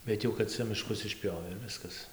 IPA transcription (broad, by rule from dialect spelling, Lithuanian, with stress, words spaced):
bʲɛt ˈjɛʊ kɐt ˈt͡sʲɛ mʲɪˈʃkʊs ɪʃʲˈpʲjoːʋʲeː ɪr ˈʋʲɪskɐs